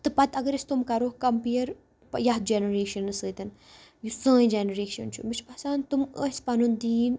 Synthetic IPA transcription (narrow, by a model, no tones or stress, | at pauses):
t̪ɨpɐt̪ɐɡɐɾist̪umkɐɾoːhkɐmpiːɐɾ | pjɐɦt̪̚d͡ʒenɐɾeːʃɐnːɨsɨːt̪ɐn | jusə̃ːjĩd͡ʒenɐɾeːʃɐnt͡ʃʰṵmit͡ʃʰpɐsaːnt̪uməspɐnund̪iːn